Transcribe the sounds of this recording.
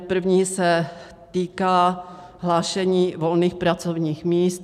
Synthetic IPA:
pr̩vɲiːsɛ | t̪iːkaː | ɦlaːʃɛɲiːvo̞lniːxpɾat͡sovɲiːxmiːst̪

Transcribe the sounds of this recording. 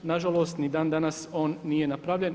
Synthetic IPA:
naʒalo̞ːst̪nid̪aːnd̪anaso̞ːnːije̞napɾaʋʎe̞n

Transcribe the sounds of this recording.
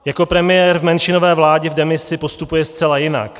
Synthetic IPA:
jako̞pɾɛmɪjɛːɾvmɛnʃɪno̞vɛːvlaːɟɛvdɛmɪsɪpo̞st̪upujɛst͡sɛlajɪna̰k

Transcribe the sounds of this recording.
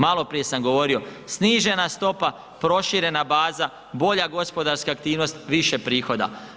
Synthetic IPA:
malˠo̞pɾije̞samɡo̞ʋo̞ɾio̞sniːʒe̞nast̪o̞pa | pɾo̞ʃiɾe̞nabaːza | bo̞ʎaɡo̞spo̞d̪aɾskaːk̚t̪iːʋno̞st̪ʋiʃepɾiːxo̞d̪a̰

